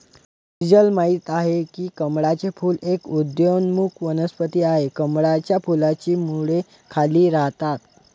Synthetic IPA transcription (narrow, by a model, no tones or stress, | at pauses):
id͡ʑəlmaɦit̪aɦekiːkəmɽat͡sefuːlekud̪jonmukʰʋənəspət̪iːaɦekəmɽat͡ɕjafulat͡ɕiːmuɭe | kʰaliːɾaɦt̪at̪